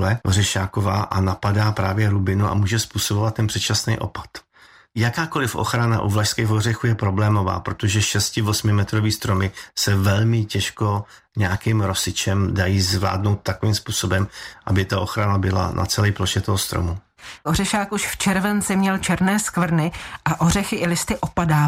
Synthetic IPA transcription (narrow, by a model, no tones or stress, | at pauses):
lɛorɛʃaːkovaːʔanapadaːpɾaːvjɛɾubɪnuʔa̰muːʒɛspuːsobovat̪ːɛnpr̥ɛt̪t͡ʃasnɛjʔo̞̰pḁt̪ | jakaːko̞lɪfʔo̞̰xɾana̰ʔuvlaʃskɛxɦorɛxujɛpɾo̞blɛːmo̞va̰ːpɾo̞t̪o̞ʒɛʃɛscɪvosmɪmɛt̪ɾoviːst̪ɾo̞mɪsɛvɛlmɪcɛʃko̞ | ɲɛakimɾo̞sɪt͡ʃɛmdajiːzvla̰ːdno̞wt̪̚ːakoviːmspuːso̞bɛmʔabɪt̪aʔo̞xɾanabɪla̰nʔa̰t͡sɛlɛjploʃɛt̪oɦost̪ɾo̰mu | ʔorɛʃaːkʔuʃft͡ʃɛɾvɛnt͡sɪmɲɛlt͡ʃɛɾnɛːskvr̩nɪʔaʔorɛxɪʔɪlɪst̪ɪʔopadaː